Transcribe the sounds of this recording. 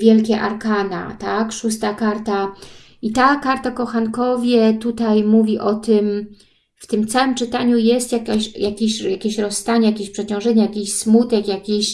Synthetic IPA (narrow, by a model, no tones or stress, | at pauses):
vʲjɛlkʲɛʔaɾkana̰t̪akʂust̪akaɾt̪a | it̪akaɾt̪akɔxankɔvʲjɛt̪ut̪ajmuvʲiʔɔt̪ɘm | ft̪ɘmt̪sawɘmt͡ʂɘt̪aɲujɛst̪jakaɕjakʲeɕjakʲeɕɾɔsːt̪aɲɛjakʲeɕpʂɛt͡ɕɔ̃w̃ʐɛɲɛjakʲiɕsmut̪ɛkjakʲiɕ